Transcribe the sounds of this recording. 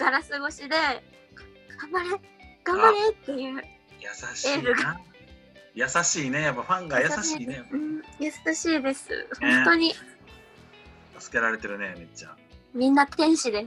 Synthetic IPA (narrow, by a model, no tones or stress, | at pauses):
ɡ̥aɾasɨɡo̞ɕid̪e̞̥ | ɡ̥amaɾeɡ̥amaɾet̪ːe̞jɯ̟ː | jasaɕe̞ːɾɯ̟ɡa | jasaɕiːne̞japːaɸãŋɡajasaɕieɯ̟̃ɴjasaɕiːd̪e̞sɨ̰hõ̞nt̪o̞ɲ̟i | t̪asɨ̥ke̞ɾaɾe̞t̪e̞ɾɯ̟nemet͡ɕːa̰ | mʲĩnːat̪ʰẽ̞ɰ̃ɕid̪e̞